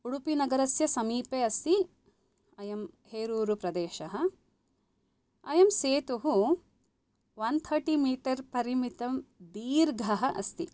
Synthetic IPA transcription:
uɽupinɐɡɐɾɐsjɐsɐmiːpeːɐst̪i | ɐjɐmheːɾuːɾupɾɐd̪eːʃɐɦɐ̆ | ɐjɐmseːt̪uɦu | ʋɐnt̪ʰɐɾʈiːmiːʈɐɾpɐɾimit̪ɐmd̪iːɾɡʱɐɦɐʔɐst̪ḭ

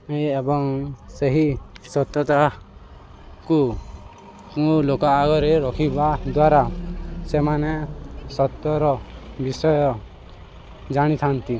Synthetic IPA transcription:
ejebɔŋseɦisɔt̪jɔt̪a | ku | kũlokɔːɡɔɾeɾɔkʰibad̪waɾasemanesɔt̪jɔɾɔbisɔjɔ | d͡ʒaɽ̃it̪ʰant̪i

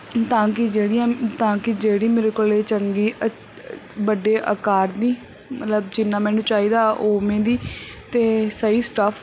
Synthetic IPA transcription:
t̪ãːkɪd͡ʒeːɽɪjãːt̪ãːkɪd͡ʒeːɽiːmeːɾeːkoːleːt͡ʃəŋɡiːə | bəɖeːʔə̰kaːɾd̪iː | mət̪ləb̚d͡ʒɪnːãːmɛ̃ːnũːt͡ʃaːiːd̪aːʔoːmẽːd̪iːt̪eːsəiːsʈəpʰ

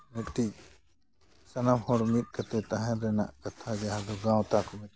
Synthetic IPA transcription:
mukʈ̪i | sɐnɐmhɔɽmit̪̚ˀkɐt̪ɛt̪ɐɦɛ̃ɾɛna̰ʔkɐt̪ʰad͡ʒaãd̪ɔɡãwt̪akɔmɪt̪̚

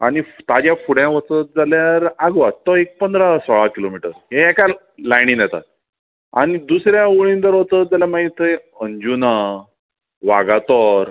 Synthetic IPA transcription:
aɽ̃ift̪ad͡ʑjafuɽjãʋət͡sət̪̚d͡zaljaɾaɡʋat̪ːɔek̚pənd̪ɾasɔɭakilomiʈəɾɦeɛka | lajnĩnjɛt̪a̰t̪̚ | aɽ̃id̪usɾjauɭĩnt̪əɾɦott͡sət̪̚d͡zaljamaɡit̪ːəe | əɲd͡ʑuna | ʋaɡat̪ɔɾ

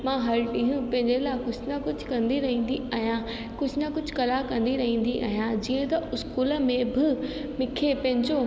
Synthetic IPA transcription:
mãːɦɐɾʈĩɦũpɐ̃ɦɪ̃ɲd͡ʑelaːɪkʊsnɐkʊd͡ʑʱkɐ̃nd̪iɾɐɦĩːn̆d̪iaɦijã | kʊd͡ʑʱnɐkʊd͡ʑ̆ʱkɐlakɐ̃nd̪iɾɐɦĩːn̆d̪iʔa̰ːɦijãd͡ʑiːə̃t̪ɐʊskuːləmẽbɪ | mɪkʰepɐ̃ɦɪ̃ɲd͡ʑo

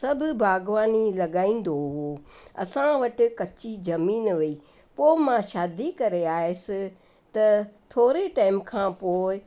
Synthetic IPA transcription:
sɐbʱʊbʱaːɡʋaːnilɐɠaːĩːn̆d̪oɦoɐ̰sãʋɐʈɪ̆kɐt͡ɕizɐmiːnʋɐiː | poːɪmãʃaːd̪ikɐɾeaːɦɪsɪ | t̪ɐt̪ʰoːɾeʈaːɪmkʰãːpoːɪ

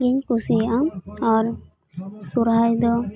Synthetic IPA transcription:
ɡiɲkusijʔaɔɾ | suɾɦajd̪ɔ

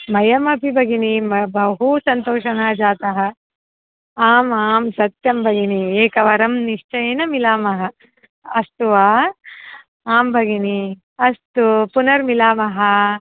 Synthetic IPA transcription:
mɐjɐmɐpibʱɐɡinimɐbɐɦusɐnt̪oːʂɐnaːd͡ʒaːt̪ɐɦɐ̆ | aːmaːmsɐt̪jɐmbʱɐɡinieːkɐʋɐɾɐmniʂt͡ʃɐjɐnɐmilaːmɐɦɐ | ɐst̪uʋaː | aːmbʱɐɡini | ɐst̪upunɐɾmilaːmɐɦɐ

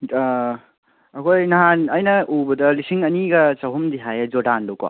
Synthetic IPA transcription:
ɐkʰojnɐɦanɐjnɐʔubɐdɐlisiŋɐniɡɐt͡ʃɐwɦumd̪iɦajad͡ʒodanlowka̰

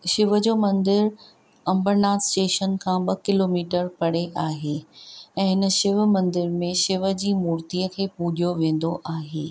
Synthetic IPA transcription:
ʃɪʋəd͡ʑoːmɐ̃nd̪ɪɾ | ɐ̃mbəɾnaːsʈeːʃənkʰãːɓɐkɪloːmiːʈəɾpɐɽeʔaːɦeɛ̃ːɦɪnəʃɪʋmɐ̃nd̪ɪɾmẽʃɪʋə̆d͡ʑiːmuːɾt̪iːəkʰeːpuːɗijoʋẽːn̆d̪oʔaːɦeː

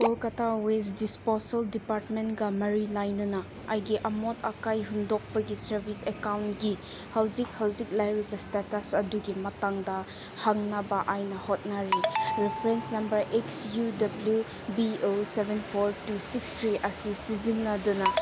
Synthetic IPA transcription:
olkɐtʰawesdisposɐldipaɾtmentɡɐmɐɾilajnɐnɐ | ɐjɡiʔɐmotʰɐkajɦundok̚pɐɡisɐɾbʱisekawntɡi | hawzik̚hɐwzik̚lajɾibɐstatɐsɐduɡimɐtaŋdɐ | haŋnɐbɐʔajnɐhot̚naɾiɾepʰɾensnɐmbɐɾeksjudɐblju | biosebenpʰoɾtusikstʰɾiʔɐsisizinːɐdunɐ

